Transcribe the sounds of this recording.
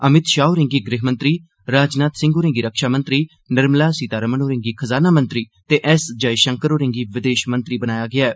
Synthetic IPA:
əmɪt̪ʃaːoːɾɪ̃ŋɡiːɡɾɪɦmə̃nt̪ɾiː | ɾaːd͡ʒnaːt̪sɪ̃ŋɡoːɾɪ̃ŋɡiːɾəkʃaːmə̃nt̪ɾiː | nəɾmlaːsiːt̪aːɾəmənoːɾɪ̃ŋɡiːkʰəzaːnaːmə̃nt̪ɾiː | t̪eːʔɛsd͡ʒaːiʃə̃ŋkəɾoːɾɪ̃ŋɡiːʋɪd̪eːʃmə̃nt̪ɾiːbənaːjaːɡɪaːɛː

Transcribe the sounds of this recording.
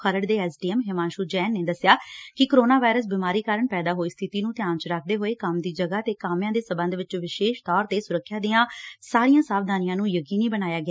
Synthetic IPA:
kʰəɾəɖd̪eːɛːsɖiːɛmɦɪmãːnʃuːd͡ʒɛːnːeːd̪əsɪjaːkɪkoɾoːnaːʋaːɪɾəs̬biːmaːɾiːkaːɾəɳpɛːd̪aːɦoːiːst̪ʰɪt̪iːnũːt̪ɪjaːnt͡ʃɾəkʰd̪eːɦoːeːkəmd̪iːd͡ʒəɡaːt̪eːkaːmjãːd̪eːsəmbə̃nd̪ʱʋɪt͡ʃʋɪʃeːʃt̪ɔːɾt̪eːsʊɾəkʰːjaːd̪iːãːsaːɾijãːsaːʋd̪ʱaːnɪjãːnũːjəkiːniːbənaːjaːɡɪaː

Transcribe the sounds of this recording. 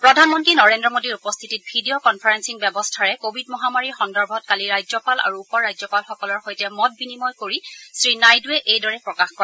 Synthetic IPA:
pɹɔdʱanmɔntɹinɔɹendɹɔmodiɹupɔstʰitit̚bʱidiɔkɔnpʰaɹɛnsiŋbɛbɔstʰaɹɛkobʱidmɔɦamaɹiɹxɔndɔɹbʱɔt̚kaliɹajzɔpala̰ɹuːpɔɹːajzɔpalxɔkɔlɔɹxojtɛmɔt̚binimɔjkoɹisɹinajduɛʔejdɔɹɛpɹɔkaxkɔɛ

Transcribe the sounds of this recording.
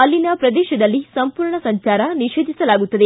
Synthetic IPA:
ɐlːinɐpɾɐd̪ɛːʃɐd̪ɐlːisɐmpuːɾɳɐsɐɲt͡ʃaːɾɐniʃeːd̪ʱisɐlaːɡut̪ːɐd̪e

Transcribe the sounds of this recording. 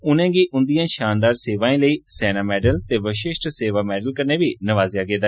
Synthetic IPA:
ʊnɛ̃ːɡiːʔʊnd̪ijãːʃaːnd̪aːɾseːʋaːĩːləiːsɛːnaːmɛːɖəlt̪eːʋəʃɪʃʈ̪seːʋaːmɛːɖəlkəɾneːʋiːnəʋaːzjaːɡeːd̪aː

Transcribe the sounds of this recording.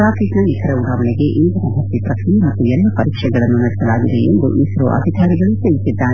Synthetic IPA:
ɾaːkɾiknɐit̪ʰɐɾeud̪aːʋɐneɡe̞ʔind̪ɐɾɐɦɐsipɾɐkʰnimɐt̪ːujɛlːɐpɐɾiːkʂɛɡɐɭɐnːunɐɽisɐlaːɡid̪eend̪ṵʔiːsɾo̰ʔɐ̰d̪ʱikʰaːɾiɡɐɭut̪elisid̪ːaːɾe

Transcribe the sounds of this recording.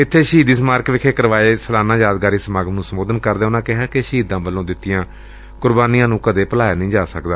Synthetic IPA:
ɪt̪ʰːeːʃiːd̪iːsəmaːɾkʋɪkʰeːkəɾʋaːeːsəlaːnãːjaːd̪ɡaːɾiːsəmaːɡəmnũːsəmoːd̪ənkəɾd̪eːʊnãːkɪɦaːkeʃɦiːd̪ãːbəlːõːd̪ɪt̪ːɪjãː | kʊɾbaːniːjãːnũːkad̪eːpəlaːjaːnĩːd͡ʒaːsəkd̪aː

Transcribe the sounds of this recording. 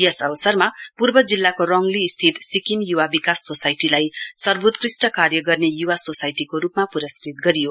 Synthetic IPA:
jʌsʌbʌsʌrmapurbʌd͡zilːakorʌŋlist̪ʰit̪sikimjuwabikasːosajʈilajsʌrbut̪krisʈʌkarjʌɡʌrnejuwasosajʈikoɾupmapuɾʌskrit̪̚ɡʌɾijo

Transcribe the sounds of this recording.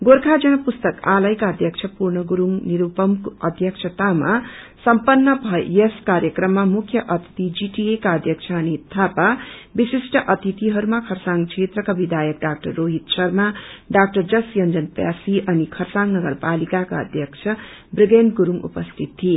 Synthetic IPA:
ɡoɾkʰad͡zʌɽ̃ʌpust̪ʌkalʌjkaʌd̪ʱjʌkt͡sʰʌpurɳʌɡuɾumniɾupʌmkʌd̪ʱjʌkt͡ʃʰʌt̪amasʌmpʌnːʌbʱʌjeskaɾjʌkrʌmːamukʰjʌʔʌt̪i̥t̪id͡ziʈiekaʌd̪ʱjʌkt͡sʰʌːnit̪ʰːapabisisʈʌʔʌt̪it̪iɦʌɾumakʰʌrsaŋɡt͡sʰet̪rʌkabid̪ʱajʌk̚ɖak̚ʈʌrːoɦit̪sʌrmaɖak̚ʈʌrd͡zʌsjʌnd͡zʌnpja̰siʔʌnikʰʌrsaŋɡnʌɡʌrpalikakaʌ̰d̪ʱjʌkt͡ʃʰʌ | briɡenɖɡuɾumṵpʌst̪ʰit̪t̪ʰːie

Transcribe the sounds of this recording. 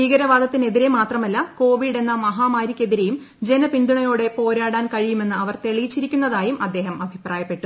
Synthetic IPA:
iːɡɐɾɐʋaːd̪ʱɐt̪ːine̞ðiɾe̞maːt̪rɐmɐlːɐko̞ːʋiɖe̞nːɐmɐɦaːmaːɾikʲːe̞ðiɾe̞jum | d͡ʑe̞nɐpind̪uɳɐjo̞ːɽe̞po̞ːɾaːɽaːnkɐɻijume̞nːɨɐʋɐrt̪e̞ɭijit͡ɕːiɾikʲːunːɐðaːjumʔɐd̪ːe̞ːɦɐmɐbʱipraːjɐpːe̞ʈːu

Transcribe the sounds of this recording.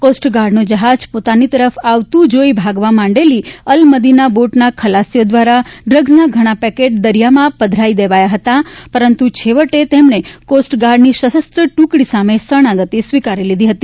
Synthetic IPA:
kosʈɡaɾɖnod͡ʒəɦad͡ʒpot̪anit̪əɾəfaʋt̪ũd͡ʒoibʱaɡʋãmãɳɖeliəlməd̪inaboʈnakʰəlasijod̪ʋaɾaɖɾəɡznaɡʱəɽ̃apɛkeʈ̚d̪əɾijamãpəd̪ʱɾaid̪eʋajaɦət̪apəɾənt̪ut͡ʃʰeʋəʈet̪emnekosʈɡaɾɖniʃəʃəst̪ɾəʈũkɽisamesəɽ̃aɡət̪isʋikaɾilid̪ʱiɦət̪i

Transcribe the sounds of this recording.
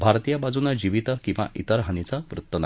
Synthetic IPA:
bʱaɾt̪ijabad͡zunad͡ʑiʋit̪əkĩw̃ʋa̰ʔḭt̪əɾɦanit͡saʋɾut̪ːəna

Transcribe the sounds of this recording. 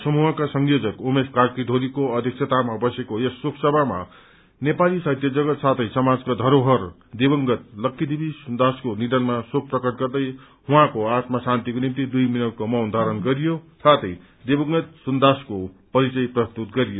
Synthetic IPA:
sʌmuɦʌkasʌŋjod͡zʌkomeskarkid̪ʱoɾikoʌd̪ʱjik̚sʰet̪amabʌsekoesːokʰsʌbʱama̰ | nepalisajt̪jʌd͡zʌɡʌt̪sat̪ʰʌjsʌmad͡zkad̪ʱʌɾoɦʌr | d̪ebʌŋɡʌt̪̚lʌkːid̪ibʱisund̪askonid̪ʌnmasokʰprʌkʌʈ̪̚ɡʌrd̪ʌj | huãkoat̪masant̪ikonimt̪id̪ujminʌwkomʌwnd̪ʱaɾʌnɡʌɾijosʰat̪ʰʌj | d̪ebʌŋɡʌt̪̚sund̪asko | pʌɾit͡sʌjprʌst̪ut̪ɡʌɾijo

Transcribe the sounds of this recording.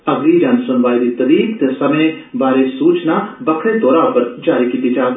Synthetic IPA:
əɡliːd͡ʒaːnsʊnʋaːiːd̪iːt̪əd̪iːt̪eːsəmẽː | baːɾeːsuːt͡ʃnaːbəkʰɽẽːt̪oːɾaːpəɾd͡ʒaːɾiːkiːt̪iːd͡ʒaːɡ̪

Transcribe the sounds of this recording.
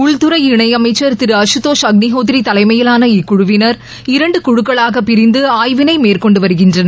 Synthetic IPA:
ʊɭt̪ɯɾɐɪɪɳɐɪɐmɐɪt͡ʃːɐɾt̪ɪɾɯɐʂɯt̪oːʂɐɡ̚nɪɦoːt̪ɪɾit̪ɐlɐɪmɐjɪlaːnɐɪkːʊɻʊʋɪnɐɾ | ɪɾɐɳɖɯkʊɻʊkːɐɭaːɣɐpːɪɾɪnd̪ɯaːjʋɪnɐɪmeːrkɔɳɖɯʋɐɾɯɣɪndrɐnɐ

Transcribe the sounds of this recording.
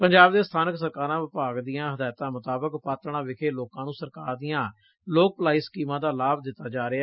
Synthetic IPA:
pəɲd͡ʒaːbd̪eːst̪ʰaːnəksəɾkaːɾãːʋɪpaːɡd̪ijãːɦəd̪aːjt̪ãːmʊt̪aːbəkpaːt̪ɾɳãːʋɪkʰeːloːkãːnũːsəɾkaːɾd̪ijãː | loːk̚plaːiskiːmãːd̪aːlaːbd̪ɪt̪ːaːd͡ʒaːɾea

